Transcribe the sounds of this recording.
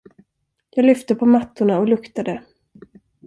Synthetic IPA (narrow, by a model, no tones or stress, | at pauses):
jɑːɡlʏft̪əpʰɔmat̪ːʊɳaɔlɵkt̪ad̪ə